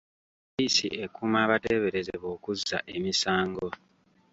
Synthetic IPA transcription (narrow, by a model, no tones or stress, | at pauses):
isḭʔe̞kumaːβate̞ːβe̞ɾe̞zeβo̞ːkuzːa̰ʔe̞misaːŋɡo̞